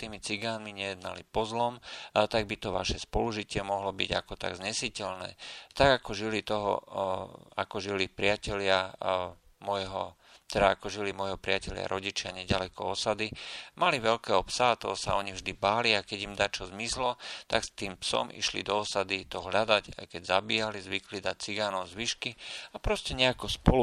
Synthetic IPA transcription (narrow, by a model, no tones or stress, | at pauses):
t̪iːmit͡siɡaːnmiɲɛjɛd̪na̰lipɔzlɔmt̪aɡ̚bit̪ɔʋa̰ʃɛspɔluʒicɪɛmɔɦlɔbḭɟa̰kɔt̪a̰ɡzɲɛsicɛʎnɛ̰ːt̪aɡakɔʒilit̪ɔɦɔ̰ | a̰kɔʒilipɾɪacɛlɪa | mɔjɦɔ | t̪ɛd̪aːkɔʒilimɔjɦɔpɾɪacɛʎɪa̰ɾʔɔɟit͡ʃɪaɲɛɟalɛkɔɔsad̪imaliʋɛʎkɛːɦɔpsat̪ɔsa̰ɔɲivʒd̪ibaːliakɛɟimd̪aːt͡ʃɔzmislɔt̪aɡst̪iːmpsɔ̰mʔḭʃlḭd̪ɔːsad̪it̪ɔɦlad̪aca̰kɛɟzabiːjalizʋiklid̪ac̚t͡siɡanɔʊzʋiʃkiapɾɔscɛɲɛakɔspɔlu